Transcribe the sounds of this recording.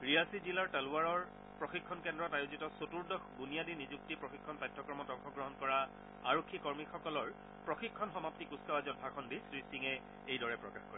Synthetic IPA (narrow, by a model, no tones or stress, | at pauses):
ɹiasizilaɹtɛluaɹɔɹ | pɹoxikʰːɔnkɛndɹɔtajozitɔsotuɹdɔxbunijadinizuk̚tipɹɔxikʰːɔnpajtʰːɔkɹɔmɔtɔŋxɔɡɹɔɦɔnkɔɹa | aɹokʰːikɔɹmixɔkɔlɔɹ | pɹɔxikʰːɔnxɔmaptikusawazɔt̚bʱakʰɔndisɹisiŋɛ | ejdɔɹɛpɹɔkaxkɔ̰ɹɛ